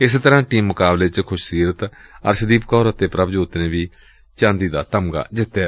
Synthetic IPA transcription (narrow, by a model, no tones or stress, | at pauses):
ɪseːt̪əɾãːʈiːmːʊkaːbleːt͡ʃkʰʊʃsiːɾət̪əɾʃəd̪iːp̚kɔːɾət̪eːpɾəbd͡ʒuːt̪neːʋiː | t͡ʃãːnd̪iːd̪aːt̪əmɡa̰ːd͡ʒɪt̪ːaː